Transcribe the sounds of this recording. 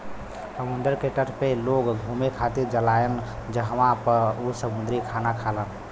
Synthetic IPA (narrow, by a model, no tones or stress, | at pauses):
səmund̪əɾkeʈəʈʰpeloɡɡʱumekʰat̪iɾd͡ʒəlajənd͡ʒəɦəmãpəɾusəmund̪ɾikʰanakʰalən